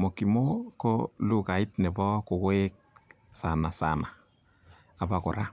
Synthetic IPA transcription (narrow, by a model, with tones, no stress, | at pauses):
mo˨ki˨mo˦ko˦lu˦˨ka˨i˦tnɛ˨bɔ˦ko˨kwe˦k̚ | sa˨na˨sa̰˨naː˨ | ba˨ko̰˨ɾa˦